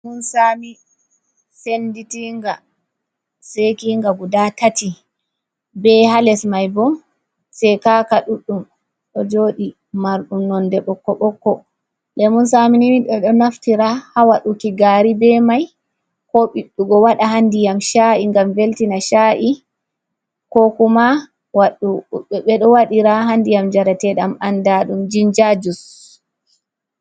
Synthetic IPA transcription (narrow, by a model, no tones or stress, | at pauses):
munsaːmi | senditiŋɡa | sekiŋɡaɡudatati | bɛhalɛsmajbɔm | sɛkakaɗuɗːum | ʔɔd͡ʒoːɗi | maɾɗunɔndɛɓɔkːɔɓɔkːɔ | lɛmunsaminimiɗɔɗɔnaftiɾahawaɗukiɡaːɾibɛmaj | kɔɓiɗːuɡɔwaɗahandijamʃaʔiŋɡamveltinaʃaʔi | kɔkuma | waɗuɓɛɗɔwaɗiɾaɦandijamd͡ʒaɾatɛɗamandaɗumd͡ʒind͡ʒad͡ʒus